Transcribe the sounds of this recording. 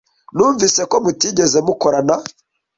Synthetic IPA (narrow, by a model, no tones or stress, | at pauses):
nuːɱvise̞ko̞mutiːɟezemukoɾana